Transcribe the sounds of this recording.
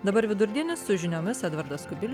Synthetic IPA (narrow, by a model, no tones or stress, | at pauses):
d̪ɐbɐɾʋʲɪd̪ʊɾʲd̪ʲiɛnʲɪsʊʒʲɪnʲoːmʲɪsæd̪ʋɐɾd̪ɐskʊbʲɪlʲ